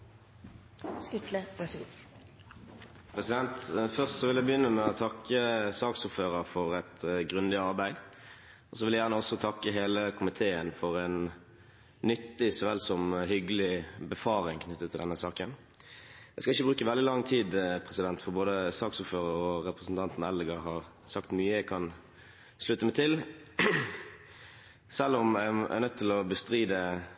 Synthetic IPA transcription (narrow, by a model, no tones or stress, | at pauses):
kʉt̪lə | pʰʁɛsɪd̪ɛnt̪fœʁst̪sɔʋɪljæɪbəjʏnːəmɛɔt̪ʰɑkːəsɑːksʊːʁføːʁəʁfɔʁɛt̪ɡʁʉnd̪ɪɑʁbæɪd̪ | ɔsɔʋɪljæɪjæːʁnəɔsːɔt̪ʰɑkːəɦeːləkʰʊmɪt̪ʰeːənfɔʁɛn | nʏt̪ːɪsɔʋɛlsɔmhʏɡəlɪbəfɑːʁɪŋkʰnʏt̪ːət̪ʰɪld̪ɛnːəsɑːkən | æɪskɑɪçːəbʁʉːkəʋɛld̪ɪlɑŋːt̪ʰiːd̪pʰʁɛsɪd̪ɛnt̪fɔʁboːd̪əsɑːksuːɾføːʁəɾɔɾɛpʁəsn̩t̪ʰɑnt̪nɛlɡɑhɑɾ | sɑkt̪myːəækʰɑn | slʉt̪ːəmæɪt̪ʰɪl | sɛlːɔmææ̰nœt̪t̪ʰːɪlɔbəst̪ʁiːd̪ə